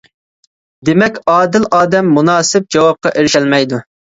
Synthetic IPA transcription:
d̪emɛkʲɑːd̪ɪlɑːd̪ɛmːunɑːsɪp̚d͡ʒɑwɑp̚qɑʔeɾɪʃɛlmɛjd̪u

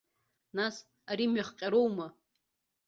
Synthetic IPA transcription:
nas | aɾimɥaχqʲʼaɾowma

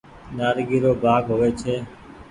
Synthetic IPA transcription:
naːɾɡiːɾoːbʱaːɡɦoːeːt͡ʃʰeː

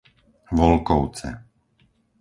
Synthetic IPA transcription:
ʋɔlkɔʊt͡sɛ̰

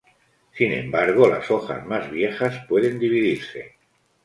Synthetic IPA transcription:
sinẽ̞̰mbaɾɣ̞ola̰soxa̰zmazβje̞xaspwe̞ðend̪iβ̞iðiɾse̞

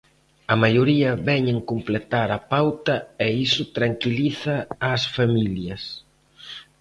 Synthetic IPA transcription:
ɐmajoɾiɐβɛɲeŋkumplet̪aɾɐpawt̪ɐɛisʊt̪ɾaŋkiliθɐːsfamiljɐs

